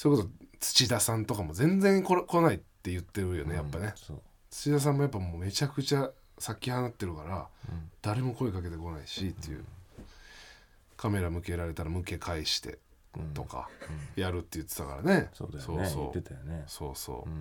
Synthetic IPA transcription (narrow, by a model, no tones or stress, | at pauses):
soiko̞sot͡sɨ̥t͡ɕid̪asãnt̪o̞kamo̞zẽ̞nd͡zẽŋkokonait̪ːe̞jɯ̟t̪ːe̞ɾɯ̟jo̞ne̞japːane̞ | t͡sɨ̥t͡ɕid̪as̬ãmːo̞jap̬ːamoːme̞t͡ɕakɯ̟t͡ɕa | sakʲːihanat̪ːe̞ɾɯ̟kaɾad̪̥aɾe̞mo̞ko̞ikake̞t̪e̞ko̞naiɕit̪ːe̞̰jɯ̰ | kʰame̞ɾamɯ̟ke̞ɾaɾe̞t̪aɾamɯ̟ke̞kʰaiɕi̥t̪e̞̰ | t̪o̞ka̰jaɾɯ̟t̪ːe̞jɯ̟t̪ːet̪aka̰ɾa̰ne̞sodso̞ːso̞̰ːnso̞̰ːso̞̰ː